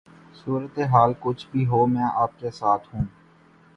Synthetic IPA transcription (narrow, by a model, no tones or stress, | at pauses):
suːɾət̪eɦaːlkʊt͡ʃʰbʱiːɦoːmɛ̃ːʔaːp̚kesaːt̪ʰɦũː